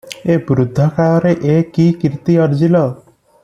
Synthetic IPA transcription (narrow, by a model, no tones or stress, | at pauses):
ebɾud̪ʱːɔkaɾɔɾeʔekikiɾt̪iʌɾd͡ʒilɔ